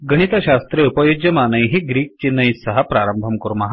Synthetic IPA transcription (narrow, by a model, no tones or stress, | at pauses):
ɡɐɽ̃it̪ɐɕast̪ɾeupɐjod͡ʒjɐmaːnəjɦiɡɾiːk̚t͡ɕinːɐjsɐɦɐpɾaɾəmbʱɐmkuɾmɐɦa